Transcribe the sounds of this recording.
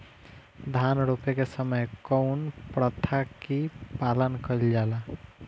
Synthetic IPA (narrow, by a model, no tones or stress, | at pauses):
d̪ʱanɾopekesəməjkəʊnpɾət̪ʰakipalənkəild͡ʒala